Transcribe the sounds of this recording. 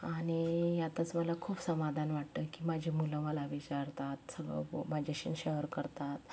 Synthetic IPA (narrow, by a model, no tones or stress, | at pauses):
aɽ̃ijat̪at͡sməlakʰupsəmad̪ʱanʋaʈ̚t̪əkiːmad͡ʑʱimulə̃məlaʋit͡ɕaɾt̪at̪səɡə̰mad͡ʑʱaɕḭːnɕəɦəɾkəɾt̪at̪